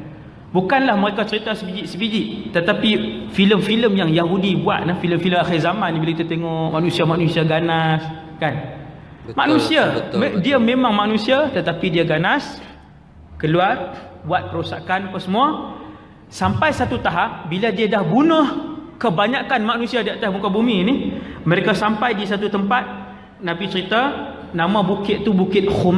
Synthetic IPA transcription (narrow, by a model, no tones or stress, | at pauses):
bukanlahməɾekat͡ʃəɾit̪asəbid͡ʒiʔsəbid͡ʒiʔt̪ət̪apifiləmfiləmjaŋjaɦudibua̰t̪̚nəfiləmfiləmaxɪrzamãnːĩbilakit̪ut̪eŋɔʔmaʔnũsiamaʔnusiaɡanas | kan | ma̰ʔnũsiamdiamẽmãŋmanũsiat̪ət̪apidiaɡanas | kəluarbuat̪̚pəɾusakanapaŋsəmua | sampajsat̪ut̪aɦap̚biladiadahbunəhkəbaɲakanmaʔnũsiadiat̪ahmukabuminiməɾekasampajdis̬at̪ut̪əmpat̪̚ | nãbit͡ʃəɾit̪a | nãmãbukɪt̪̚t̪ːubukɪt̪̚hum